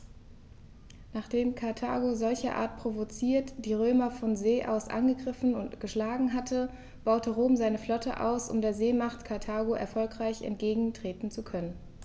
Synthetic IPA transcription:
naːχd̥eːmkʰaɐtʰa̰ːɡozɔlçɐʔa̰ːɐt̚pʁ̥ovot͡siːɐtd̥iːʁøːmɐfɔnzeːʔa̰ʊsʔa̰nɡəɡʁɪfn̩ʊntɡ̥əʃlaːɡŋ̩ɦatʰə | b̥aʊtʰəʁoːmzaɪnəflɔtʰə̰ʔa̰ʊsʊ̰mdeːɐzeːmaχtkʰaɐtʰaːɡoʔɛ̰ɐfɔlkʁ̥aɪçɛ̰ntɡ̥eːɡŋ̩tʁ̥eːtn̩t͡sukʰœnən

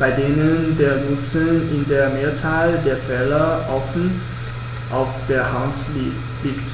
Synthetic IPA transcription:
b̥aɪdeːnəndeːɐnʊt͡sənɪndeːɐmeːɐt͡saːldeːɐfɛːlɐʔɔfn̩ | ʔaʊfd̥eːɐhaʊnt | likt

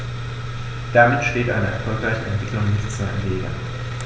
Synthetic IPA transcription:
d̥amɪtʃteːtʔa̰ɪnəɛ̰ɐfɔlkʁaɪçəɛ̰ntv̥ɪklʊŋzɪt͡sanleːɡɐ̰

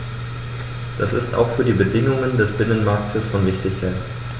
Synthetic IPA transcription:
d̥asɪ̰stʔa̰ʊxfyːɐdiːbədɪŋʊŋəndɛsb̥ɪnənmaɐktʰəsfɔnvɪçtɪçkʰaɪt

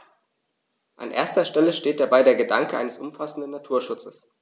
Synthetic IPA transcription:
ʔa̰nʔḛːɐstɐʃtɛləʃteːt̚d̥aɐbaɪdeːɐɡədaŋkəʔa̰ɪnəsʔʊmfasn̩dənːatʰuːɐʃʊt͡səs

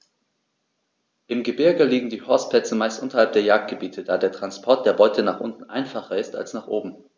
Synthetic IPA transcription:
ʔɪmɡəbɪɐɡəliːɡŋ̩diːhɔɐsplɛt͡səmaɪstʔʊntɐhalp̚d̥eːɐjaːk̚t̚ɡ̥əbiːtʰəd̥aːdeːɐtʁ̥anspʰɔɐt̚d̥eːɐbɔʏtʰənaːχʔʊntn̩ʔa̰ɪnfaχɐɪsta̰lsnaːχʔoːbm̩

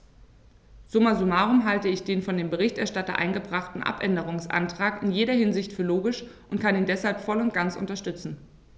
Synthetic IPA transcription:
z̥ʊmazumaːʁʊmɦaltəɪçd̥eːnfɔndeːmbəʁ̞ɪçtɛɐʃtatɐ̰ʔa̰ɪnɡəbʁaχtn̩ʔa̰pʔɛndəʁ̞ʊŋsʔa̰ntʁ̥aːkɪnjeːɾɐhɪnzɪçtfyːɐloːɡɪʃʔʊntkʰaniːndɛshalpfɔlʊnt̚ɡ̥ant͡sʔʊ̰ntɐʃtʏt͡sn̩

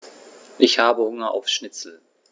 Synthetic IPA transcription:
ʔɪçhaːbəhʊŋɐʔa̰ʊfʃnɪt͡sl̩

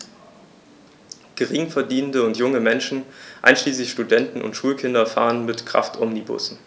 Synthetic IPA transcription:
ɡ̥əʁɪŋfɛɐdiːnəndəʊntjʊŋəmɛnʃn̩ʔa̰ɪnʃliːslɪçʃtudɛntn̩ʊ̰ntʃuːlkʰɪndɐfa̰ːʁənmɪtkʁ̥a̰ftʰʔɔmnibʊ̰sn̩

